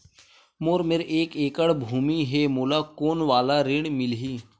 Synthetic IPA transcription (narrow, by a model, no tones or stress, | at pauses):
moːɾmeːɾʔeːkeːkəɽbʱuːmiɦɛːmoːlaːkoːnʋaːlaːɾɪɽmɪlɦiː